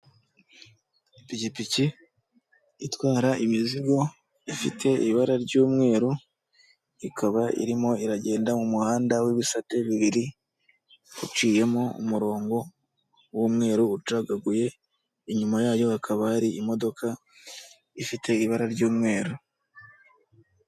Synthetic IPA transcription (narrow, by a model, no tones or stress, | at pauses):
picipici | twaːɾaʔimiziɡo̞ | ifitʰe̞ʔḭβaɾaɾɟuːmŋe̞ːɾu | ikʰaβaʔḭɾimo̞iɾaɟe̞ːndamumuhaːndawiβisate̞βiβiɾi | ut͡ʃiːje̞moṵmuɾo̞ːŋɡo̞ | wumŋe̞ːɾuːt͡ʃaɡaɡuje̞ | iɲumajaːjo̞akʰaβahaɾiimo̞do̞kʰa | ifite̞iβaɾaɾɟuːmŋe̞ːɾu